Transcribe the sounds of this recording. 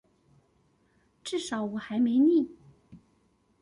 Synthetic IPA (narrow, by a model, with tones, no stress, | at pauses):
ʈ͡ʂɻ̩˥˩ʂɑ˨˥ʊwɔ˨˩xa˧˥ɪme˧˥ɪni˥˩